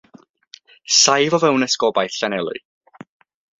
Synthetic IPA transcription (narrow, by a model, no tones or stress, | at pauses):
sajvɔvɛwnəskɔbajθɬanɛlˠʊ̰